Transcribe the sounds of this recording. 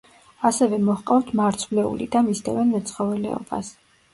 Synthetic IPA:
asɛvɛmɔhqʼaft̪ʰmaɾt̪sʰvlɛṵlḭd̪amisd̪ʰɛvɛnmɛt̪sʰχɔvɛlɛ̰ɔ̰ba̰s

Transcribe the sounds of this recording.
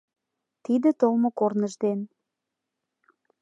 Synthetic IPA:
t̪id̪ə̆t̪olmokornəʒd̪en

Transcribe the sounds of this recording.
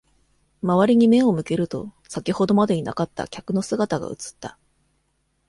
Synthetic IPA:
maβ̞aɾʲiɲ̟ime̞o̞mɯ̟ke̞ɾɯ̟t̪o̞̰ | sakʲiho̞d̪o̞mad̪eina̰kat̪ːa̰kʲakɯ̟no̞sɨɡat̪aɡa̰ɯ̟t͡sɨ̥t̪ːa

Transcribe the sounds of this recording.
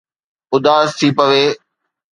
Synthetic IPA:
ʊd̪aːst̪ʰiːpəʋeː

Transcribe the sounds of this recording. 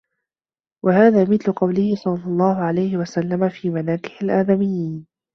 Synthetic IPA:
wʔahaːðaːmɪθlʊqɑwlɪhɪsˤɑlːɑlˤːɑːɦʊʕalajhɪwasalːamafiːmanaːkɪ̥ħalʔaːd̪amɪjːiːn

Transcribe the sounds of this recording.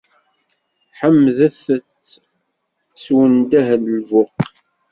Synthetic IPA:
ħəmːðəθət͡sː | swənd̪æɦllvʊq

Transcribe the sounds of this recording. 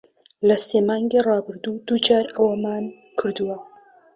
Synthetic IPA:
lɐseːmɑːŋɡirɑːbɨɾd̪ud̪̥ud͡ʒaːɾɐwɐmaːn | kʰɨɾd̪uwɐ

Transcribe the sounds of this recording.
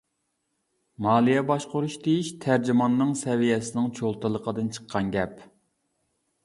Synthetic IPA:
mɑːlˠijɛbɑʃqʊɾuʃd̪ejiʃt̪ʰæɾd͡ʒimɑnːɨŋsɛvijɛsɪnɪŋt͡ʃʰolˠt̪ɨlˠəqʰəd̪ɨnt͡ʃʰə̥qʰːɑnɡʲɛp

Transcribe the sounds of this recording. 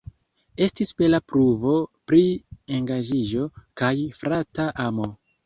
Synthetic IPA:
e̞stisbelapɾuvo̞pɾieŋɡaʒiʒo̞kajfɾataʔamo̞

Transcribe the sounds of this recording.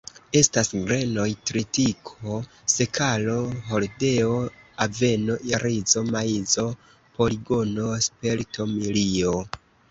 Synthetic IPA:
e̞stasɡɾeno̞jtɾitikʰo̞ | se̞kʰalo̞ɦolde̞oave̞no̞ʔjaɾizo̞maizo̞ | po̞liɡo̞no̞spe̞lto̞milio

